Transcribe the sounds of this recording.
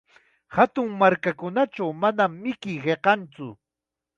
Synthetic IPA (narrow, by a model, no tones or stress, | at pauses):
hat̪ʊŋmaɾkakʊnaʈ͡ʂawmanamːɪkɪjɢeqɑnt͡sʊ